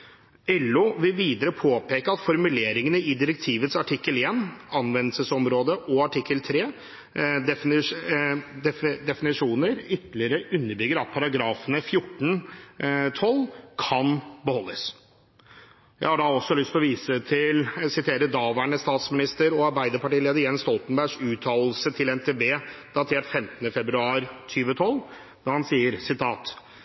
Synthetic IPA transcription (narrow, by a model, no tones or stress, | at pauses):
ɛlːʊʋɪlʋiːd̪əɾəpʰoːpeːkəɑt̪fɔɾmʉleːɾɪŋənəɪd̪ɪɾək̚t̪ʰiːʋət̪sɑʈʰɪkːəleːnɑnʋɛnəsəsɔmɾoːd̪əʔɔɑʈʰɪkːəlt̪ʰɾeː | d̪ɛ | d̪ɛd̪ɛfɪnɪʂuːnəɾʏt̪lɪəɾəʔʉnːəbʏɡəɾɑt̪̚pʰɑɾɑɡɾɑːfənəfjʊʈːn̩ | t̪ʰɔlːkʰɑnbəhɔlːəs | jæ̰ɪhɑɖɑɔsːɔlʏst̪ʰlɔʋiːsət̪ʰɪlsɪt̪ʰeːɾəd̪ɑːʋæɳəst̪ɑːt̪smɪnɪst̪əɾɔɑɾbæɪd̪əɾpɑʈiːleːd̪əɾjɛnst̪ɔlt̪ənbæɾʂʉːt̪ʰɑːlsət̪ʰɪlɛnt̪ʰeːbeːd̪̥ɑt̪ʰeːʈfɛmt̪ənəfɛbɾʉɑːɾt̪ʰyːʋət̪ʰɔlː | d̪̥ɑɾhɑnsiːəɾsɪt̪ʰɑːt̪